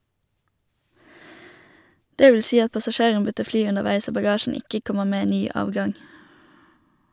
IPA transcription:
ˈdeː ˈʋl̩ ˈsiː ˈɑt pɑsɑˈʃeːʁən ˈbʏtəʁ ˈflyː ʉnəʁˈʋæɪs ˈoː bɑˈɡɑːʃn̩ ˈɪkə ˈkɔməʁ ˈmeː ˈnyː ˈʔɑːʋɡɑŋ

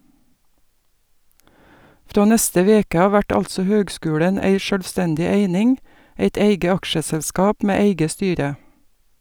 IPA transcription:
ˈfɾoː ˈnɛstə ˈʋeːkə ˈɑː ˈʋæʈ ˈɑlsɔ ˈhøːɡˌskʉːlɛn ˈæɪ ˈʃøːlˌstɛndɪ ˈæɪnɪŋ ˈæɪt ˈæɪɡə ˈɑkʃəsɛlˌskɑːp ˈmeː ˈæɪɡə ˈstyːɾə

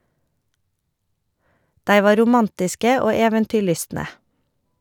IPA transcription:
ˈdæɪ ˈʋɑː ɾʊˈmɑntɪskə ˈoː ˈeːʋəntʏˌɭʏstnə

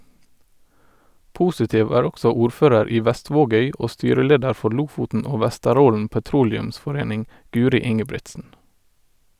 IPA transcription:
ˈpuːsɪtɪʋ ˈæːɹ ˈɔksɔ ˈuːɾˌføːɾəɾ ˈiː ˈʋæˌstʋoːˌɡœʏ ˈoː ˈstyːɾəˌleːdəɾ ˈfɔ ˈɭʊfʊtn̩ ˈoː ˈʋæstəˌɾoːln̩ pəˈtɾuːlɛʉmsfɔˌɾeːnɪŋ ˈɡʉːɾɪ ˈɪŋəbɹɪtsn̩

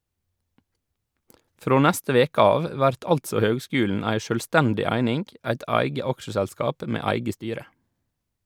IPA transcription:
ˈfɾoː ˈnɛstə ˈʋeːkə ˈɑːʋ ˈʋæɾt ˈɑltsɔ ˈhøːɡˌskʉːln̩ ˈæɪ ˈʃøːlˌstɛndɪ ˈæɪnɪŋ ˈæɪt ˈɑɪɡə ˈɑkʃəsɛlˌskɑːp ˈʔmeː ˈæɪɡə ˈstyːɾə

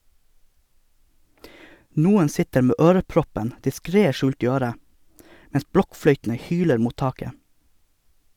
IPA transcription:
ˈnuːən ˈsɪtəɾ ˈmeː ˈøːɾəˌpɾɔpən dɪˈskɾeː ˈʃʉːlt ˈiː ˈøːɾə ˈmɛns ˈbɽɔkˌfɽœʏtn̩ə ˈhyːləɾ ˈmuːt ˈtɑːkə

